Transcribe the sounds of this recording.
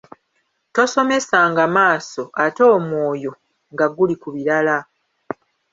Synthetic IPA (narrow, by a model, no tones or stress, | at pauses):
to̞so̞me̞saːŋɡamaːso̞ʔato̞ːmwo̞ːjo̞ | ŋɡaɡulikuβiɾala